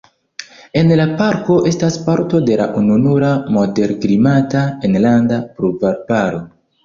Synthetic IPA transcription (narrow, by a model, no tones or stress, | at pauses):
e̞nlapaɾko̞ʔe̞staspaɾto̞de̞la̰ʔununuɾamo̞de̞ɾkɾimataenlandapɾuvaɾbaɾo̞